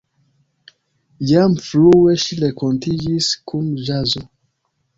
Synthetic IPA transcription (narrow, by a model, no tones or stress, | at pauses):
jamfɾuwɛʃilekʰɔ̃ntijiskʰunʒazo